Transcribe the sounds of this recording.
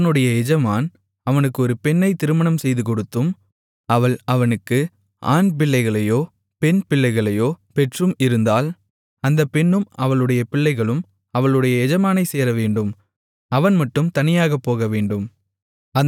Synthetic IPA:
nɯɽɐjɐɛd͡ʒɐmaːn | ɐʋɐnɯkːɯɔɾɯpɛɳːɐɪt̪ɪɾɯmɐɳɐmsɛjðɯkɔɽɯt̪ːɯm | ɐʋɐɭɐʋɐnɯkːɯ | ʔa̰ːnp̬ɪɭːɐɪɣɐɭɐjoː | pɛnpɪɭːɐɪɣɐɭɐjoːpɛʈrɯmɪɾɯnd̪aːl | ɐnd̪ɐpɛɳːɯmɐʋɐɭɯɽɐjɐpɪɭːɐɪɣɐɭɯm | ɐʋɐɭɯɽɐjɐɛd͡ʒɐmaːnɐɪseːɾɐʋeːɳɖɯm | ɐʋɐnmɐʈːɯmt̪ɐnɪjaːɣɐpːoːɣɐʋeːɳɖɯm | ɐ

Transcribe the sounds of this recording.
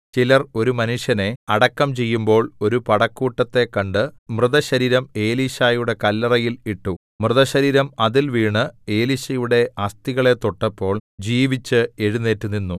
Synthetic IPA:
t͡ɕilɐro̞ɾumɐnuʂjɐne̞ɐɽɐkːɐmt͡ɕe̞jːumbo̞ːɭo̞ɾupɐɽɐkːuːʈːɐt̪ːe̞kːɐɳɖɨmrɨðɐɕɐɾiːɾɐme̞ːliɕaːjuɽe̞kɐlːɐrɐjiliʈːu | mrɨðɐɕɐɾiːɾɐmɐðilʋiːɳɨe̞ːliɕɐjuɽe̞ɐst̪iɣɐɭe̞t̪o̞ʈːɐpːo̞ːɭd͡ʑiːʋit͡ɕːɨe̞ɻune̞ːtːuninːu

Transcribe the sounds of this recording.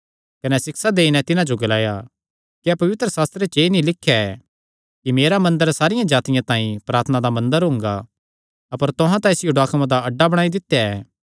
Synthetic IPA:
kɐnɛsɪksad̪eːinɛt̪ɪnãd͡ʒoɡɐlaːja | kiɛpɐʋɪt̪ɾəsaːst̪ɾet͡ʃeːnĩlɪkʰːjaɛ | kimeːɾamɐ̃nd̪əɾsaːɾɪjãd͡ʒaːt̪ɪjãt̪ãːĩpɾaːɾt̪ʰənad̪amɐ̃nd̪əɾɦʊ̃ŋɡa | ɐpəɾt̪ʊɦãt̪ãɪsɪjoɖaːkmãd̪aɐɖːabɐɽ̃aːid̪ɪt̪ːjaɛː

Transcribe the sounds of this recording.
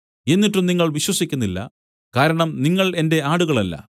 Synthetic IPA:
e̞nːiʈːumniŋːɐɭʋiɕwɐsikʲːunːilːɐ̰ | kaːɾɐɳɐmniŋːɐɭe̞nde̞aːɽuɣɐɭɐlːɐ̰

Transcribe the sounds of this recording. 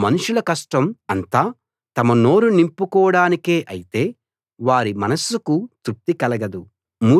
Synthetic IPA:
mɐnuʂulɐkɐsʈɐmɐnt̪aː | t̪ɐmɐno̞ːɾunimpːukɔːɐɽaːnike̞ːʔɐjit̪e̞ː | ʋaːɾimɐnɐsukut̪up̚t̪ikɐlɐɡɐd̪u | muː

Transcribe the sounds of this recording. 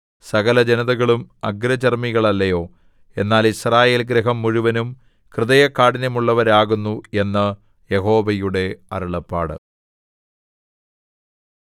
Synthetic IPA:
sɐɣɐlɐd͡ʑenɐðɐɣɐɭumɐɡɾɐt͡ɕɐrmiɣɐɭɐlːɐjo̞ː | e̞nːaːlisraːje̞ːlɡɾɐɦɐmːuɻuʋɐnum | krɨðɐjɐkːaːɽinɐmuɭːɐʋɐɾaːɣunːue̞nːɐ | jeɦo̞ːʋɐjuɽe̞ɐ̰ɾuɭɐpːa̰ːɽɨ̰

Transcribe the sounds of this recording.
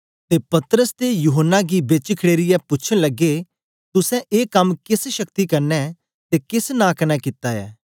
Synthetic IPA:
t̪eːpɐt̪ɾəst̪ejuːɦənːaɡibet͡ʃkʰɽeːɾɪjɛpʊːt͡ʃʰəɽ̃ləɡeː | t̪ʊsɛ̃ʔeːkɐmkɪsʃəkt̪ikɐɾnɛ | t̪eːkɪsnãːkɐnɛːkɪt̪aːɛ̰ː

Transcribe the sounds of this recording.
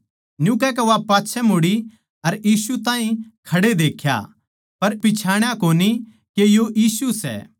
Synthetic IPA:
njũːkɛkɛʋapaːtːʃʰɛmoɽi | ɐɾjiːsut̪ãːɦĩkʰɐɽed̪eːkʰja̰ | pɐɾpɪt͡ʃʰaːɽ̃jakoːni | kejojiːsusɛ̰ː

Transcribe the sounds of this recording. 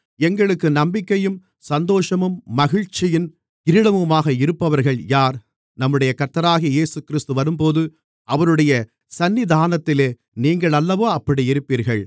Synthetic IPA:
ɛŋɡɐɭɯkːɯnɐmbɪkːɐjɯm | sɐnd̪oːʂɐmɯmːɐɣɪɻt͡ʃːɪjɪn | ɪɾɪɽɐmɯmaːɣɐɪɾɯpːɐʋɐɾɣɐɭjaːɾ | nɐmːɯɽɐjɐkɐɾt̪ːɐɾaːɣijeːsɯkɪɾɪst̪ɯʋɐɾɯmpoːðɯ | ɐʋɐɾɯɽɐjɐ | sɐnːɪd̪ʱaːnɐt̪ːɪleː | niːŋɡɐɭɐlːɐʋoːɐpːɐɽiɪɾɯpːiːɾɣɐɭ

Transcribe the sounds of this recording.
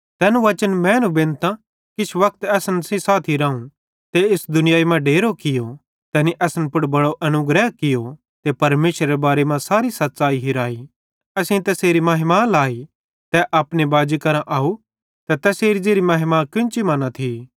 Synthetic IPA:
t̪ɛːnũʋɐt͡ʃənmɛ̃ːnubɪ̃nt̪ã | kɪt͡ʃʰʋɐk̚ʰt̪ɛːsənsĩsaːt̪ʰiɾãːũ | t̪eɪsd̪ʊnɪjaːimãɖeːɾokɪjo | t̪ɛːniʔɛːsnpʊɽbɐɽoʔɐnʊɡɾɛːɦkɪjo | t̪epɐɾmeːʃɾeebaːɾemãsaːɾisɐt̪ːt͡ʃaːiɦiɾaːi | ɐsĩt̪ɛseːɾimaːɦɪmalaːi | t̪ɛʔaːpnebaːd͡ʒikɐɾãʔaːu | t̪ɛt̪ɛseːɾid͡ʒeːɾimaːɦɪmakɪ̃nt͡ʃimaːnãt̪ʰi

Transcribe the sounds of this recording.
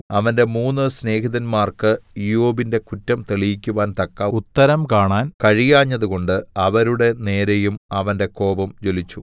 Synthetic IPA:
ɐʋɐnde̞muːnːɨsne̞ːɦiðɐnmaːrkɨijoːbinde̞kutːɐmt̪eɭijikʲːuʋaːnt̪ɐkːɐut̪ːɐɾɐmkaːɳaːnkɐɻijaːɲːɐðuko̞ɳɖɨɐʋɐɾuɽe̞ne̞ːɾejumɐʋɐnde̞ko̞ːbɐmd͡ʑo̞lit͡ɕːu

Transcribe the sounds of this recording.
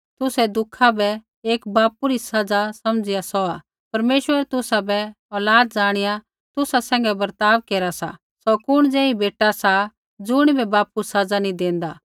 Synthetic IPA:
t̪ʊsɛd̪ʊkʰːabɛ | eːkbaːpuɾisɐd͡zasɐmd͡zɪjasɔaː | pɐɾmeːʃʋəɾt̪ʊsabɛ | ɔːlaːd̪̚d͡ʒaːɽ̃ɪja | t̪ʊsasɛ̃ːŋ̆ɡɛbɐɾt̪aːʋkeːɾasa̰ | sɔkʊɽ̃d͡zɛ̃ːĩbeːʈasa | d͡zʊɽ̃ibɛbaːpusɐd͡zanĩd̪ẽːnd̪aː

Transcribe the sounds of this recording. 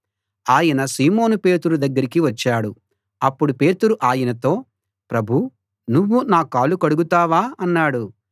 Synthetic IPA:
aːjɐnɐsiːmo̞ːnupe̞ːt̪uɾud̪ɐɡːɐɾikiʋɐt͡ʃːaːɽu | ɐpːuɽupe̞ːt̪uɾuʔaːjɐnɐt̪o̞ː | pɾɐbʱu | nuʋːunaːkaːlukɐɽuɡut̪aːʋaːɐnːaːɽu

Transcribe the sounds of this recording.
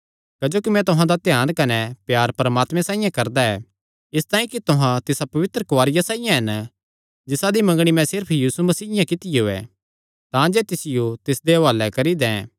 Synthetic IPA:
kɐd͡ʒoːkimɛ̃t̪ʊɦãd̪at̪jaːnkɐnɛpjaːɾpɐɾəmaːt̪mɛ̃sãːijãkɐɾd̪aɛ | ɪst̪aːĩkit̪ʊɦãt̪ɪsapɐʋɪt̪ɾəkʊʋaːɾɪjasaːɪjãɦɐn | d͡ʒɪsad̪imɐ̃ŋɡɽ̃imɛ̃sɪɾpʰjiːsumɐsiːɪjãkɪt̪ɪjeoːɛ̰ | t̪ãːd͡ʒɛːt̪ɪsɪjot̪ɪsd̪eɐʋaːlːɛkɐɾid̪ɛ̰̃ː

